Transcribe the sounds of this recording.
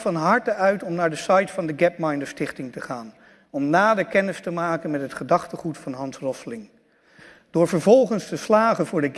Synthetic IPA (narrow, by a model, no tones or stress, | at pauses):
fɑnɦɑɹtəœɥtɔmnaːɹdəsɑjtfɑndəɡɛp̚mɑjndəstɪχtɪŋtəχaːn | ɔmnaːdəkɛnɪstəmaːkənmɛtɦətχədɑχtəχutfɑnɦɑnsrɔslɪŋ | d̥ʊːɹvəɹvɔlˠχənstəslaːχənvʊːɹdəɡ